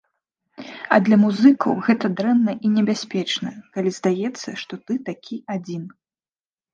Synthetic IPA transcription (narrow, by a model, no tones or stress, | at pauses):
ɐ̰d̪lʲɐmuzɨkɐwɣɛt̪ɐd̪ɾɛnːɐʔinʲɛbʲasʲpʲɛt͡ʂnɐkalʲizd̪ajɛt̪sːɐʂt̪ɔt̪ɨt̪akʲʰiad͡zʲin